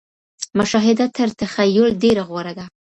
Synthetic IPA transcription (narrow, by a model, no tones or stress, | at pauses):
mʊʃɑɦɪd̪at̪ʰəɾt̪əxajolɖeɾaɣwaɾaɡa